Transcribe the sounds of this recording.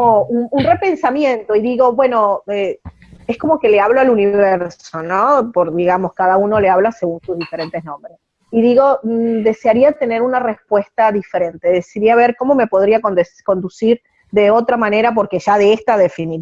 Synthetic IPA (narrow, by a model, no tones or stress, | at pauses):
oununre̞pe̞nsamjẽ̞nt̪o̞iðiɣo̞βwe̞no̞e | esko̞mo̞ke̞leaβloaluniββeɾsso̞no̞poɾðiɣamo̞skaðauno̞leaβlase̞ɣunsuzðife̞ɾe̞nt̪e̞znõ̞mbɾes | iðiɣo̞d̪e̞seaɾiat̪e̞ne̞ɾunare̞spwe̞st̪aðife̞ɾe̞nt̪e̞ðesiɾiaβ̞eɾko̞mo̞me̞po̞ðɾiakoko̞nd̪usiɾ | ðe̞o̞t̪ɾamane̞ɾap̬o̞ɾke̞ʒaðeest̪aðe̞fini